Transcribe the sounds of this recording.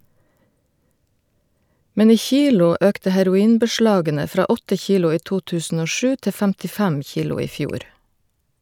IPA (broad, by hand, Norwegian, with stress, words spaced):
ˈmɛn ˈiː ˈçiːlʊ ˈœktə hæɾʊˈiːnbəˌʃlɑːɡənə ˈfɾɑː ˈɔtə ˈçiːlʊ ˈiː ˈtuː ˈtʉːsn̩ ˈoː ˈʃʉː ˈtɛ fæmtɪˈfæm ˈçiːlʊ ˈiː ˈfjuːɾ